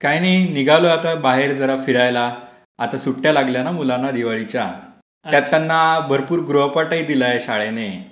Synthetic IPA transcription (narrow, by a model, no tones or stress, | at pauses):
kajnainiɡaloat̪abaɦeɾd͡zəɾafiɽajla | at̪asuʈːjalaɡljanamulanːad̪iʋaɭit͡ɕja̰ | jat̪ːanːabʱəɾpuːɾɡɾoɦpaʈəjid̪ilaeɕaɭene